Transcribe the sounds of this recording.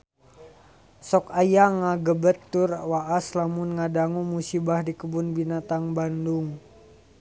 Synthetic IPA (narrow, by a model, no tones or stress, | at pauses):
sɔkajaŋaɡəbət̪ːurwaʔaslamunŋadaŋumusibahdikəbunbinat̪aŋbanduŋ